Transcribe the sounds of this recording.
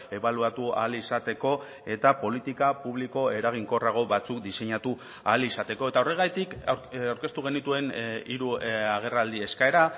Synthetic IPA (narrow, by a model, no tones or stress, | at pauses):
e̞βaluat̪ua̰lisat̪e̞ko̞ | e̞t̪apo̞lit̪ikapuβ̞liko̞e̞ɾaɣ̞iŋko̞raɣ̞o̞βat͡sukd̪ise̞ɲat̪u | alisat̪e̞ko̞e̞t̪aore̞ɣ̞ajt̪ikawɾke̞st̪uɣ̞e̞nit̪ue̞niɾuaɣ̞e̞rald̪ie̞skae̞ɾa